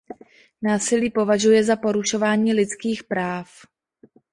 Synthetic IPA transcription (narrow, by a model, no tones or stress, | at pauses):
naːsɪliːpo̞vaʒujɛzapo̞ɾuʃo̞vaːɲiːlɪt͡skiːxpɾaːf